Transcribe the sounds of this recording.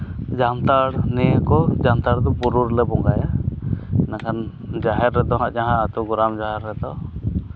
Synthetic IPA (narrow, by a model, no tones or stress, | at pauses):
d͡ʒant̪aɽnɛɛkɔd͡ʒant̪aɾd̪ɔbuɾuɾlɛbɔŋɡaja | ɛnakʰan | d͡ʒaɦɛɾːɛd̪ɔɦaʔd͡ʒaɦãːt̪uɡuɾamd͡ʒaɦɛɾːɛd̪ɔ